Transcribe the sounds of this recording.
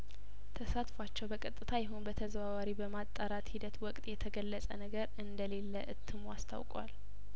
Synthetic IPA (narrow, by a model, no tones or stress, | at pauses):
t̪ʰəsat̪fat͡ʃːɛwbəkʼət̪ʼːɨt̪ʰajɛɦunbət̪ʰəzβaβaɾibəmat̪ʼːaɾat̪hid̪ət̪wɔkʼt̪ʼjɛt̪ʰəɡəlːəsʼə̰nəɡəɾɨnd̪əle̞lːəʔɨt̪ʰːɨmwast̪ʰa̰wkʼwa̰l